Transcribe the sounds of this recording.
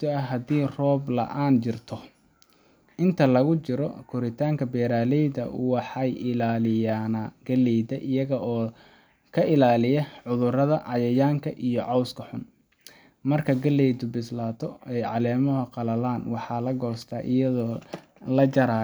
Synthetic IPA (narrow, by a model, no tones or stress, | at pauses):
t̪ʰɔɐɦɐd̪iːrɔːblɐ̰ʔaːnt͡ʃɪrt̪ʰɔ | ʔɪnt̪ʰɐlɐɣʊt͡ʃɪɾɔkʰʊɾɪt̪ʰaːŋkʰɐbɛːɾaːlɛjðɐ̰ʊ̰wɑħɑjɪlaːlɪjaːnaɡ̥ɐlːɛjd̪ɐʔɪjɐɣɐʔɔː | kʰɐʔɪlaːlɪjɐʕʊðʊrɐðɐʕɑjɐjaːŋkʰɐʔijɔʕɑwskʰɐħʊn | mɐrkʰɐɡɐlɛjd̪ʊbɪslaːt̪ʰɔɛjʕɑlɛːmɔɦɐqɑlɐlaːnwɑħɑːlɐɡɔːst̪ʰaːʔɪjɐðɔː | lɐd͡ʒɐɾaː